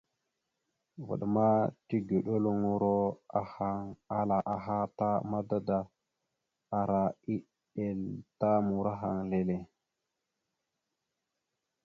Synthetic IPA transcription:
və̰˨ɗma˦ti˦ɡe˨ɗo˦lo˦ŋu˨ɾo˦a˦ha˨ŋa˦la˨ʔa˨ɦa˦ta˦ma˦da˦da˨ | a˨ɾa˨i˦ | ɗe˨lta˦mu˨ɾa˦ɦa˨ŋle˨le˨

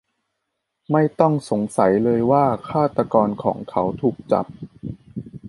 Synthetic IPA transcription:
ma˥˩jt̪ɔ˥˩ŋso˩˦ŋsa˩˦jlɤː˧jwaː˥˩kʰaː˥˩t̪a˧kɔː˧nkʰɔ̰ː˩˦ŋkʰa˦˥wt̪ʰuː˨˩k̚t͡ɕa̰˨˩p̚

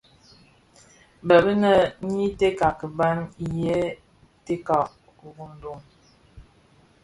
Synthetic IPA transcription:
bə˨bə˦nə˨ɲi˦te˦ka˨kə˨ba˦njɛ˦ | te˦ka˨ | ɣu˨n˨do˦˨ŋ

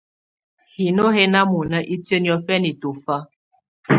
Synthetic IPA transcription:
hi˨no˦he˦na˦mu˨nə˦ʔi˦tjə˦njɔ˨fɛ˦ni˨to˨fa˦

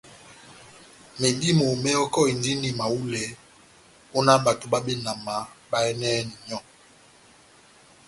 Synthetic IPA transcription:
me˨di˦mo˨mɛ˦ɔ˦kɔ˦i˨ndi˦ni˨ma˨u˦lɛ˨˦ | o˦na˦ba˨to˨ba˦ɓe˦na˨ma˨˦ba˦ɛ˦nɛː˦ni˨ɲɔ˦˨

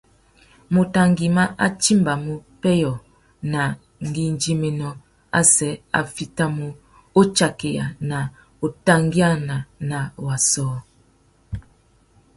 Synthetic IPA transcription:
mo˨ta˨ŋɡi˨ma˦ʔa̰˦t͡ʃi˦mba˨mo˦pɛ˦jɔ˨ | na˨ | ŋ˨ɡi˦nd͡ʒi˦me˨nɔ˦ | a̰˦sɛ˨˦a̰˨fi˦ta˦mo˦ | o˦t͡ʃa˨ke˨ja̰˨na˨ | o˨ta˦ŋɡi˦a˦na˨na˨wa˨sɔː˦

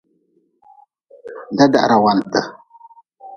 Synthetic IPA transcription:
da˦da̰˦˨ʔɾa˨wa˨n˨tə˨

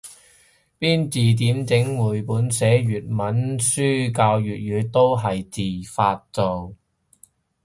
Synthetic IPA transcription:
piː˥nt͡siː˨t̪̬iː˨˥mt͡sɪ˨˥ŋwuː˨˩jpuː˨˥nsɛː˨˥jyː˨t̚mɐ˨˥nsyː˥kaː˧wjyː˨t̚jyː˨˧˥t̪o˥wɦɐ˨jt͡siː˨˩faː˧t̚t͡so˨w

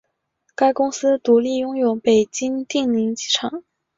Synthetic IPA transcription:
ka˥ɪkʊ˥ŋsɹ̩˥t̪u˧˥li˥˩jʊ˥ŋjo˨˧˥ʊpe˨˩ɪt͡ɕi˥ŋt̪i˥˩ŋli˧˥ŋt͡ɕi˥˩ʈ͡ʂʰɑ˨˩˦ŋ

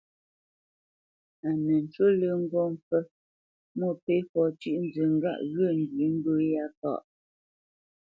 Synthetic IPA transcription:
a˨nɛ˨n̩˨t͡ʃwo˦lə˦ŋ̩˦ɡɔ˦˨m˨fə˦ | mo˦˨pe˦fɔ˨t͡ʃʉ˦ʔn˦d͡zə˨ŋ̩˦ɡa̰˦ʔɣə˦˨ŋ̩˨ɡi˨˦ŋ̩˦bə˦ja˦ka̰˦˨ʔ

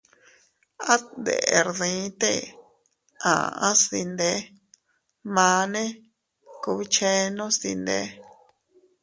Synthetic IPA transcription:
a˦tnd̪ḛ˨ʔe˨ɾðĩ˨˧˦t̪e˦˨ | ã̰˨ã̰˦sði˧nd̪e˧˦ | mã˧˦nẽ˦ | ku˧βi˦t͡ʃẽ˦nõ˦st̪ḭ˧nd̪e˧˦

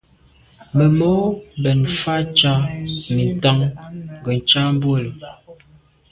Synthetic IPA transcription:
mə˨mɔ˦bə˨nfa˦t͡ʃa˦mi˨n˨ta˦ŋŋɡə˨n̩˨t͡ʃa˦m˦bwə˦˨lə˨

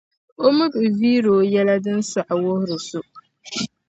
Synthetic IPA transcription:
o˦mɨ˦bɨ˨viː˦ɾoː˨jɛ˦la˦dɨ˦n̩˦sa˨ʔa˨wʊ˦hʊ˦ɾɨ˨su˦

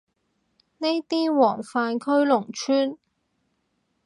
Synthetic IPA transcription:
ne˥jt̪iː˥wɔː˨˩ŋfaː˨nkʰɵ˥ɥlʊ˨˩ŋt͡ʃʰyː˥n

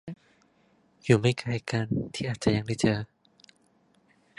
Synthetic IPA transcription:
juː˨˩ma˥˩jkʰaː˧˩jka˧nt̪ʰiː˥˩ʔaː˨˩t̪̚t͡ɕa˧ja˧ŋda˥˩t͡ɕɤː˧

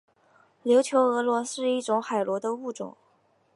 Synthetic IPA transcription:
ljo˧˥ʊt͡ɕʰjo˧˥ʊɤ˧˥lwɔ˧˥sɻ̩˥˧i˥˩ʈ͡ʂʊ˧˥ŋxa˨˩ɪlwɔ˧˥d̪ə˧u˥˩ʈ͡ʂʊ̰˨˩˦ŋ

